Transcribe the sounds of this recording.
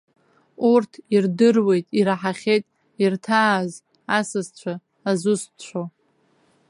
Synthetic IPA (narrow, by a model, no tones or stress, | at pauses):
urtʰirdɨrwe̞jtʼiɾaħaχʲejtʼ | irtʰaːz | asɨzt͡ɕʷʰaː | zʊst͡ɕʷʰo